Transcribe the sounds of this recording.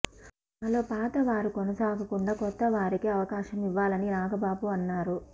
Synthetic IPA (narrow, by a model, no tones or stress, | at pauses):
ɐlo̞ːpaːt̪ɐʋaːɾikonɐsaːɡɐkuɳɖaːkɔt̪ːɐʋaːɾikiɐʋɐkaːʃɐmiʋːaːlɐniɾaːɡɐbaːbuɐnːaːɾu